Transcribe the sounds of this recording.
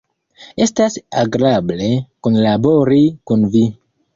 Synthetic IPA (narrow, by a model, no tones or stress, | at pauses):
e̞stasaɡɾable̞konlabo̞ɾikunvi